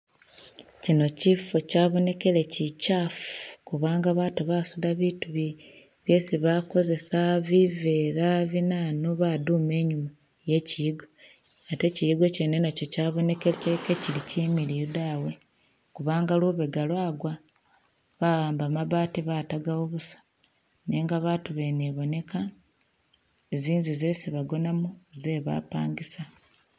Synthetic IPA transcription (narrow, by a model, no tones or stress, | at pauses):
cino̞cifo̞caːβo̞ne̞ke̞le̞cicafuu̥kuβaːŋɡaβaːtuβasudaβituβi | βje̞siβako̞ze̞saβive̞ːɾaβinanoβadume̞ːɲuma | je̞ciiɡo | ate̞cijiɡwe̞cene̞naco̞caːβo̞ne̞kecekecilicimilijudawe̞ | kuβaːŋɡaluβeɡalwaːɡwa | βaɣaːmbamaβaːtiβaːtaɡawoβusḁ | neːŋɡaβaːtuβe̞neβo̞ne̞kʰa | eziːnzize̞ːsiβaɡo̞namuze̞βa̰ːpaːɲɡisa